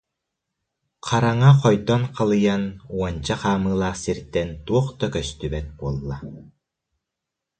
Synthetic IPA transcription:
qʰaɾaŋaqɔjd̪ɔnqalˠɯjanuɔnt͡ɕaqaːmɯːlˠaːχsiɾt̪ɛnt̪uɔχt̪akœst̪ybɛt̪̚buɔlˠːa

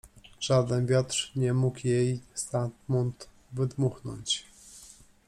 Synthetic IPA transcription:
ʐ̥ad̪ɛnvʲjat̪ʂɲɛmukjɛjst̪ant̪mɔnt̪ | vɘd̪muxnɔ̰ɲt͡ɕ

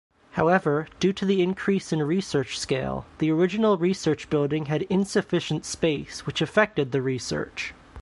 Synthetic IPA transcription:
haʊɛvə˞d̥ʉɾɨðiɪ̃nkʰɹ̥isɨ̃nɹisɜ˞t͡ʃskeɪlˠðiə˞ɪd͡ʒɨn̩l̩ˠɹisɜ˞t͡ʃb̥ɪlˠdɪ̃ŋɨɾɪ̃nsɨfɪʃn̩tspeɪswɨt͡ʃɨfɛk̚tɨd̪̚ðɨɹisɜ̰˞t͡ʃ

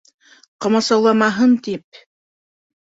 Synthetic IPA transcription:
qɤ̆mɑ̆sɑwlˠɑmɑɦɤnt̪ip̚

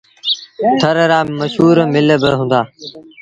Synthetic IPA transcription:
t̪ʰəɾɾaːməʃɦuːɾmɪlbəɦũːnd̪aː

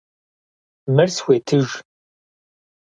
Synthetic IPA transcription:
mɨrsweːtʰɨʒ

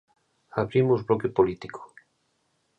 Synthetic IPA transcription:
aβɾimuzβlokepolit̪iko̥

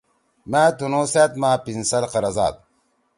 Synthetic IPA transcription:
maːt̪unoːseːt̪maːpinsɐlqɐɾɐza̰ːt̪̚

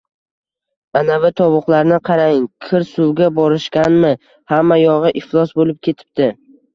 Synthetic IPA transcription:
anavɪt̪ʰɒwʊqlˠaɾnɪqʰɑɾaŋkʰɪɾsʊlɡʲabɒɾɪʃkʲanmɪ | hamːajɒʁɨʔɪflˠɒsbolɪp̚kʲʰe̞t̪ʰɪ̥p̚t̪ɪ

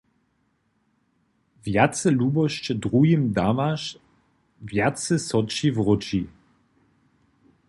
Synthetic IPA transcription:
vjat̪t͡sɛluːbɔʃt͡ʃɛdʁujimd̪avaʃ | vjatt͡sɛsɔt͡ʃivʁɔt͡ʃi

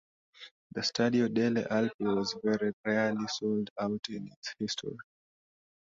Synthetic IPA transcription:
ðəstʰadiodeliʔalpiwɔzvɛɹiɹɛəlisoldaʊtĩnɪtshistʰɔ̰ɹi

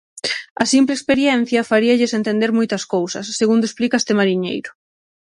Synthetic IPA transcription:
ɐsimplekspeɾjɛn̟θjɐfaɾiɐʎɪsent̪end̪eɾmojt̪ɐskowsɐsːeɣund̪oesplikɐest̪emaɾiɲḛjɾʊ

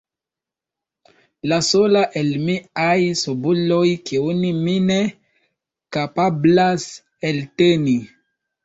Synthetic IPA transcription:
lasolaʔelmiajsubulo̞jkiunimine | kapablas | elteni

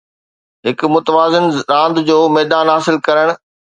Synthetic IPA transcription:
ɦɪkmʊt̪əʋaːzɪnɾãːnd̪d͡ʑoːmɛːd̪aːnɦaːsɪlkɐɾəɽ̃̆

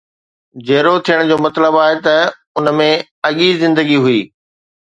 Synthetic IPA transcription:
d͡ʑeːɾot̪ʰijəɽ̃d͡ʑoːmɐt̪ləbaːɦet̪ɐ | ʊnmẽ | ɐɠizɪ̃nd̪əɡiɦuiː

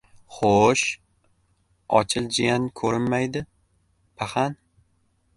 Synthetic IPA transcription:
χoʃ | ɒ̰t͡ʃʰɪlˠd͡ʒijankʰɵɾɪnmajd̪ɪ | pʰaχan

